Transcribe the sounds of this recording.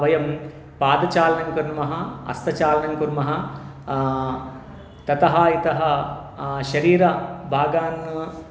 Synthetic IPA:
ʋɐjɐm | paːd̪ɐt͡ʃaːlɐnɐŋkuɾnmɐɦɐɐ̰st̪ɐt͡ʃaːlɐnɐŋkuɾmɐɦɐ | t̪ɐt̪ɐɦaːit̪ɐɦɐ | ʃɐɾiːɾɐbʱaːɡaːnːɐ

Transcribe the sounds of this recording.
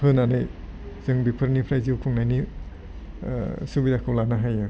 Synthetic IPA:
pʰɯnanɯj | z̥ɯŋbipʰɯɾnipʰɾajziwkʰuŋnajni | subidakʰɯwlanaɦajɯ

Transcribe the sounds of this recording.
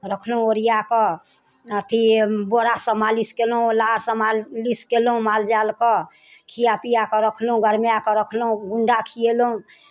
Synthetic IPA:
ɾəkʰlũoɾijakə | ət̪ʰiboɾasə̃maliskelũlaɾsəmaliskelɦũmald͡ʒalkɔ | kʰijapijakɔɾəkʰlũɡəɾmjakɔɾəkʰlũɡuɳɖakʰijelũ

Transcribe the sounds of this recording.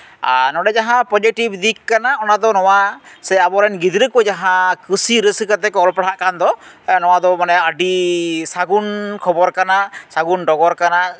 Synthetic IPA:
a̰nɔɖɛd͡ʒaɦãpɔd͡ʒiʈibd̪ikːanaɔnad̪ɔnɔwasɛabɔɾɛnɡid̪ɾəkɔd͡ʒaɦãkɯsiɾəskat̪ɛkɔlpɽaʔkand̪ɔ | nɔwad̪ɔmanɛəɖisaɡunkʰɔbɔɾkanasaɡunɖɔɡɔɾkana

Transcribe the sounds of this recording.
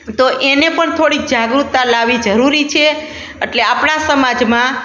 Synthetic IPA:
t̪oʔenepəɳt̪ʰoɽik̚d͡ʒaɡɾut̪ːalaʋid͡ʒəɾuɾit͡ʃʰe | eʈleapɳasəmad͡ʒmã

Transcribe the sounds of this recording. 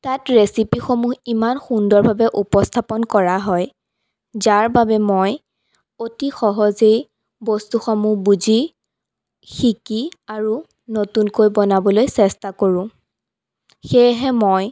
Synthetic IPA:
tatɹesipixomuɦimanxundɔɹbʱabɛʔupɔstʰapɔnkɔɹaɦɔj | zaɹbabɛmoj | otixɔɦɔzej | bɔstuxɔmubuzi | xikiaɹu | notunkojbɔnabɔlojsɛstakoɹʊ̃ | xejɦɛmoj

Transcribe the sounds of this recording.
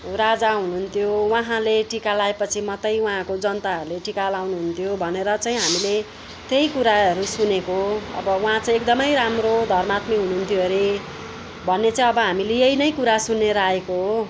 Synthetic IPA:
rad͡zaɦunuɦunt̪ʰjowaɦãleʈikalaepʌt͡sʰimʌt̪ʌjwaɦãkod͡zʌnt̪aɦʌɾuleʈikalawnuɦunt̪ʰjobʱʌneɾʌt͡saĩɦamile | t̪ejkuɾaʌɾusunekoʌ̰bʌwɦãt͡saĩekd̪ʌmʌjɾamrod̪ʱʌrmat̪miɦunuɦunt̪ʰjoɦeɾe | bʱʌnːet͡saĩʌbʌɦamilejejnʌjkuɾasunːeɾaekoɦ

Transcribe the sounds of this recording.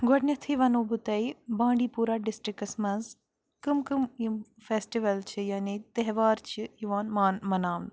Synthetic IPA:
ɡɔɽnʲɐt̪ʰiʋɐnoːbut̪ɐibãːɳɖiːpuːɾaːɖɪsʈɾikɐsmɐnz | kɨmkɨmjufeːsʈiʋɐlt͡ʃʰijaːnit̪ɐɦʋaːɾt͡ʃʰijiʋaːnmaːnmɐnaːʋn

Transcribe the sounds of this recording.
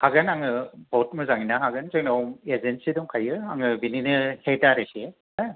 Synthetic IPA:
haɡɯnaŋɯbot̚mɯzaŋinaɦaɡɯnzɯknamezensiduŋkʰajɯaŋɯbininɯhetaɾese | a

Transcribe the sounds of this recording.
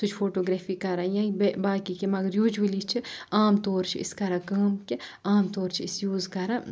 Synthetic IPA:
sʊt͡ʃʰfʰoːʈoːɡɾɛːfiːkɐɾãːjãːibbaːkikemɐɡɐɾjuːd͡ʒuʋɐlit͡ʃʰiaːmt̪oːɾt͡ʃʰḭɪ̰skɐɾakɐːmkʲeaːmt̪oːɾt͡ʃʰiɪsjuːzkɐɾã

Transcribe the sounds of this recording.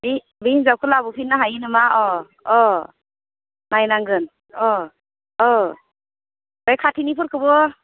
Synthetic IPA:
bi | biinzawkʰɯlabupʰinːaɦajinɯmaɔ | ɔ | najnaŋɡɯn | ɔ | ɔ | bɔjkʰatʰinipʰɯɾkʰɯbɔ

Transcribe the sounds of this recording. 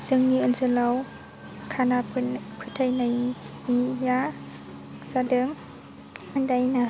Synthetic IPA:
zɯŋniɯnzɯlaw | kʰanapʰkʰɯtʰajnajnija | zadɯŋ | ɯndajna

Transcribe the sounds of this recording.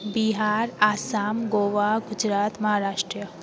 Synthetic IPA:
biɦaːɾaːsaːmɡoːʋaɡʊd͡ʒɾaːt̪mɐɦaːɾaːʃʈɾə

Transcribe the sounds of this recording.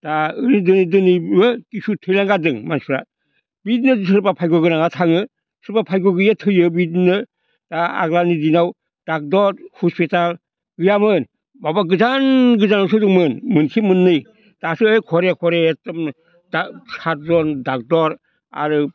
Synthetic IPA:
taɯɾidɯnidɯnimɯkisutʰɯjlaŋɡadɯŋmansɾa̰ | bidnɯsɯɾpapʰajɡɔɡɯnaŋatʰaŋɯ | sɯɾpapʰajɡɔɡɯjatʰɯjɯbidnɯ | taa̰ɡlanidinaw | d̥ak̚dɔɾhɔspital | ɡɯjamɯn | babaɡɯzanɡɯzanawsɯdɯŋmɯnmɯnkʰimɯnːɯj | tasɯɯjkʰɔɾekʰɔɾeːtɔm | dasat̚zɔndak̚dɔɾ | a̰ɾɯ

